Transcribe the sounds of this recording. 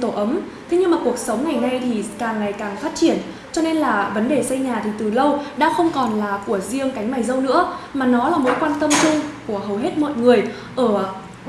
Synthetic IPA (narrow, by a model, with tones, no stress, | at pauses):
t̪o˧˩ʔə˨˦m | t̪ʰi˨˦ɲɨ˧ŋmaː˨˩ku˨˩ək̚sə˨˦wŋ͡mŋa˨˩jna˧jt̪ʰi˨˩kaː˨˩ŋːa˨˩jkaː˨˩ŋfaː˦˥t̚t͡ɕi˧˩ən | t͡ɕɔ˧ne˧nlaː˨˩və˨˦nɗe˨˩sə˧jɲaː˨˩t̪ʰi˨˩t̪ɨ˨˩lə˧wɗa̰ː˧˥xə˧wŋ͡mkɔ˨˩nlaː˨˩ku˧˩əzi˧əŋka˨˦jŋ̟maː˨˩jzə˧wnɨ̰˧˥əmaː˨˩nɔ˨˦laː˨˩mo̰˨˦jkwaː˧nt̪ə˧mt͡ɕu˧ŋku˧˩əɦə˨˩wɦe˦˥t̚mɔ̰˧˨tŋɨ˨˩əj | ʔəː˧˩